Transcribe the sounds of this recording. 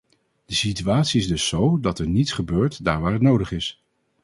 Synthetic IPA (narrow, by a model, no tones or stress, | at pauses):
d̥əsityaːtsiɪzdɵsːowdɑtɛɹnitsχəbøːɹtda̰ːɹʋaːɹɦətnowdəχɪs